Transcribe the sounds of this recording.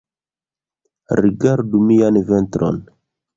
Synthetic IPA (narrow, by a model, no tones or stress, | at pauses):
ɾiɡaɾdumijanventɾʔo̰n